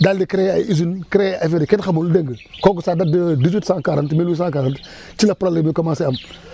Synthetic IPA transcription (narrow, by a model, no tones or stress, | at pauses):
daldikiɾeaizunkɾeafeɾiketxamuldeŋɡəkoɡusadadədizwitsãkaɾantmilwisãkaɾant | t͡ʃilapɾalemikamaseam